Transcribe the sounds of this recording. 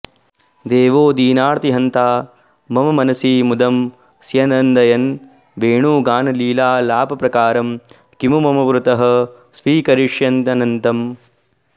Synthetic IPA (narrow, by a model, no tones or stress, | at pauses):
d̪eːʋoːd̪iːnaːɾt̪iɦɐnt̪aː | mɐmɐmɐnɐsiːmud̪ɐm | sjɐnɐnd̪ɐjɐn | ʋeːɳuːɡaːnɐliːlaːlaːpɐpɾɐkaːɾɐm | kimumɐmɐʋɾut̪ɐɦɐ̆ | sʋiːkɐɾiʂjɐnt̪ɐnɐnt̪ɐm